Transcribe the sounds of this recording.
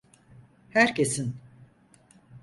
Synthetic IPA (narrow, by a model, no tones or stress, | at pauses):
hæɾcʰesin